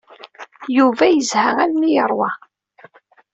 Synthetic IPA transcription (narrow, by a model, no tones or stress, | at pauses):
juvæjəzhæŋælmijəɾˤwɑ